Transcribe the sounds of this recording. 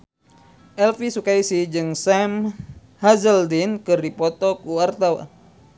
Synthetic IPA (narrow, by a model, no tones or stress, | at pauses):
ʔɛlfisukaisid͡ʒɨŋsam | hazəldinkɨrdipɔt̪ɔkuwart̪awa̰n